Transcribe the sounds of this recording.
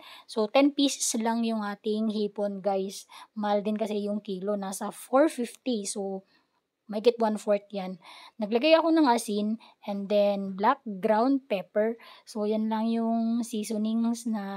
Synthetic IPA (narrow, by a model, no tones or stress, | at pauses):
sot̪ɛnpiːsɛ̥slaŋjʊŋʔaːt̪ɪŋhiːponɡajsmɐald̪ɪnkɐsɛjʊŋkiːlo̞nasɐfoɹfift̪iso | mɐjɡɪt̪̚wanfoɹt̪̚janːɐɡ̚lɐɡajɐko̞nɐŋʔɐsinʔɛnd̪ɛnblak̚ɡɾawnd̪̚pɛpɛɹsojʊnlɐŋjʊŋsiːsoniŋsnɐ